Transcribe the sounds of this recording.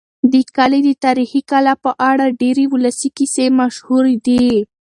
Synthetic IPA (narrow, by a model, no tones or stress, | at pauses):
d̪əkaled̪ət̪aɾixikalapəʔaɽaɖeɾewʊlasikisemaʃhuɾed̪i